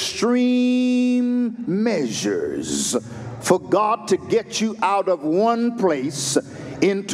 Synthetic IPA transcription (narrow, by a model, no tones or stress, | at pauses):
stɹ̥i | mːɛʒə̰˞z̥ | fə˞ɡɑd̚tʰɨɡɛt͡ʃɨʔaʊɾʌvwʌ̃npʰl̥eɪsɪ̃ntʰ